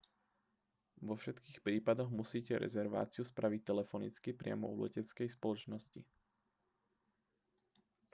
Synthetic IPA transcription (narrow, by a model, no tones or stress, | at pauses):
ʋɔfʃɛt̪kiːxpɾiːpad̪ɔɣmusiːcɛɾɛ̰zɛɾʋa̰ːt͡sɪuspɾaʋic̚t̪ɛlɛfɔnḭt͡skipɾɪa̰mɔ̰uːlɛ̰cɛt͡skɛjspɔlɔt͡ʃnɔscḭ